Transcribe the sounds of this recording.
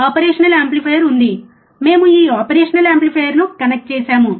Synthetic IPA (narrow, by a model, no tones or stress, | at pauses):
aːpɐɾeːʂɐnɐleːmplipʰejɐɾund̪i | me̞ːmuiːaːpɐɾeːʂɐnɐleːmplipʰejɐɾnukɐnɐk̚ʈ̚t͡ʃɛːsaːmu